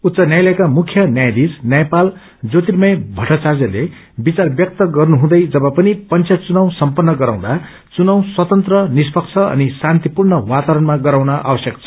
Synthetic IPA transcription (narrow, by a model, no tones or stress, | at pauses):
ut̪sʌnjajlʌjkamukʰjʌnjajd̪id͡znjajpal | d͡zot̪irmʌjbʱʌʈat͡sard͡zʌle | bit͡sarbjʌk̚t̪ʌɡʌrnuɦũd̪ʌjd͡zʌbʌpʌnipʌnt͡sʰjʌt͡sunʌw̃sʌmpʌnːʌɡʌɾaw̃d̪a | t͡sunʌw̃swʌt̪ʌnt̪rʌnispʌkt͡sʰʌʌ̰nisant̪ipurnʌwat̪aɾʌnmaɡʌɾaw̃nʌʔa̰bʌsjʌkt͡sʰʌ̥